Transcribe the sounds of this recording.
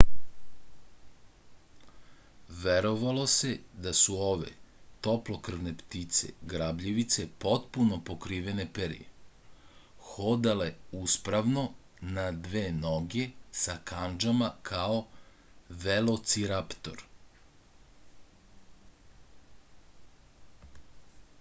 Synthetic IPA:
ʋeɾo̞ʋalˠo̞se̞d̪asuo̞ʋe̞̰t̪o̞plo̞kr̩ʋnept̪it̪se̞̰ɡɾabʎiʋit̪se̞po̞t̪puno̞po̞kɾiːʋe̞ne̞peɾḭjḛ | xod̪ale̞uspɾaʋno̞ | nad̪ʋeːnoɡe̞sakand͡ʒamakʰao̞ | ʋelo̞t̪siɾapt̪o̞̰ɾ

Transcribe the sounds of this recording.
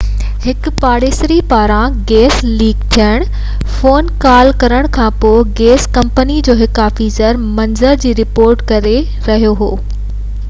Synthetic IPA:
hɪkʊpaːɽeːsɾipaːɾãɡeːsliːɡt̪ʰijəɽ̃ | foːnkaːlkɐɾəɽ̃kʰãːpoːɪɡeːskɐ̃mpənid͡ʑoːɦɪkaːfiːzəɾmɐnzəɾd͡ʑiːɾɪpoːɾʈkɐɾe | ɾɐɦijoɦoː

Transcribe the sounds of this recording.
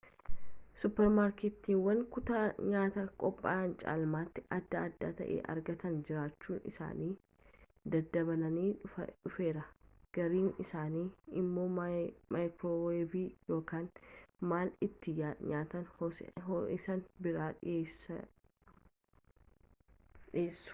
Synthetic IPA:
sʊpːɛɾmaːɾkeːt̪ːiːnwɐŋkʊt̪aɲaːt̪ɐkʼɔpʼːa̰ːnt͡ʃʼa̰ːlmaːt̪ːɪʔɐd̪ːaːd̪ːa̰ːt̪ɐ̰ʔḛːʔɐ̰ɾɡɐt̪ɐnd͡ʒɪɾaːt͡ʃːuːnɪ̰sa̰ːniː | d̪ɐd̪ːɐbɐlɐniːᶑʊfe̞ːɾɐɡ̥ɐɾiːnɪsaːniːɪmːo̞ːmaːjkɾoːweːbiːjo̞ːkaːnmaːlɪt̪ːɪaɲaːt̪ɐn | ɪsɐnbɪɾaːᶑːsɐ | ᶑɪeːsːʊ̥

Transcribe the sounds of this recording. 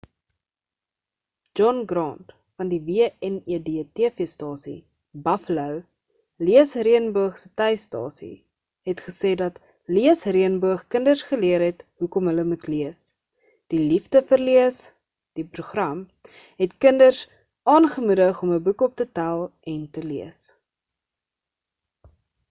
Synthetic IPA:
d͡ʒɔnɡɾɑːnt | fɐndiviəɛniədetiəfistɑːsḭ | bɐfləw | liəsriənbuəχsətɛjstɑ̰ːsḭ | ɦɛtχəseːdɐt | liəsriənbuəχkəndərsχəliəɾɦɛtɦukɔmɦələmutliəs | d̥ilifdəfərliəs | d̥ipɾuχrɐm | ɦɛtkəndərs | ʔɑːnχəmudəχɔməbukɔp̚tətælˠɛntəliəs

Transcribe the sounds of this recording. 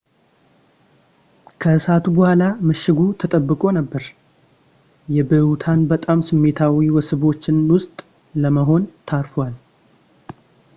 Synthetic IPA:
kʰəsat̪ʰubəhʷalaməʃːɪɡut̪ʰət̪ʼəbːɨkʼo̞nəbːəɾ | jɛbəwt̪ʰanbət̪ʼamsɨmːe̞t̪ʰawiwɔsɨβo̞t͡ʃːɪnwʊst̪ʼ | ləməɦo̞nt̪ʰaɾfwal

